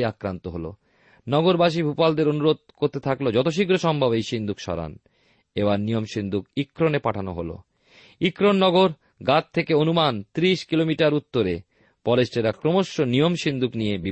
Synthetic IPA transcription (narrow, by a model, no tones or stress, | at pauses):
akɾant̪oɦolo̰ | nɔɡoɾbaʃibʱupald̪eɾonuɾod̪̚koɾt̪et̪ʰaklod͡ʑɔt̪oʃ̬iɡɾoʃɔmbʱabejʃind̪ʱukʃɔ̰ɾa̰n | ebaɾnijomʃind̪ukikːɾonepaʈʰano̰ɦolo̰ | ikɾonːɔɡoɾ | ɡat̚t̪ʰːekeonumant̪ɾiʃkilomiʈaɾut̪ːoɾe | pɔlesʈeɾakɾomoʃːonijomʃind̪ʱuknijebi